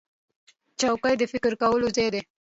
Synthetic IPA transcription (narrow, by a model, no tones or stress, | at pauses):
t͡ʃawkajd̪əfɪkəɾkawəlozejd̪e